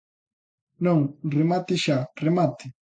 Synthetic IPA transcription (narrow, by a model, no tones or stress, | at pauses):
nõŋremat̪ɪʃaremat̪ɪ